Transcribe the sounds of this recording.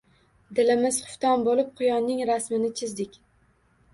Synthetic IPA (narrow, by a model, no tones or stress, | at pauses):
d̪ɪlɪmɪz̥χʊ̥ft̪ɒnbolɪp̚qʰʊjɒnːɪŋɾasmɪnɪt͡ʃʰɪzd̪ɪkʲ